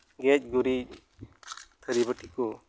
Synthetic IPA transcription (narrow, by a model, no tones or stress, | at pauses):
ɡɛc̚ˀɡuɾic̚ | t̪ʰəɾibəʈʰikɔ